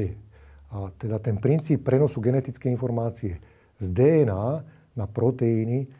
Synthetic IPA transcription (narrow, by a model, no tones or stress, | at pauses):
ɛ | at̪ɛd̪at̪ɛnpɾint͡siːpːɾɛnɔsuɡɛnɛt̪it͡skɛinfɔɾmaːt͡siɛ | zd̪ɛɛnaː | napɾɔt̪ɛini